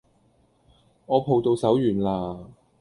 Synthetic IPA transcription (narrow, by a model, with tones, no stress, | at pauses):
ŋɔː˨˧pʰo˨wt̪o˧wsɐ˨˥wjyː˨˩nlaː˧